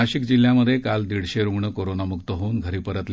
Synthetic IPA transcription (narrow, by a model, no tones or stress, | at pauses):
aɕikd͡ʑil̤ːjaməd̪ʱːjekald̪iɽ̤ɕeɾuɡɳəkoɾonamukt̪əɦounɡʱəɾiːpəɾət̪l